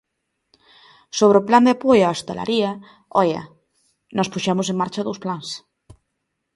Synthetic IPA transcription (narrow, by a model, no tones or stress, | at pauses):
soβɾeʊpland̪eapojast̪ala̰ɾiɐ | ɔjɐ̰ | nɔspoʃamʊseŋmaɾt͡ʃɐðowsplaŋs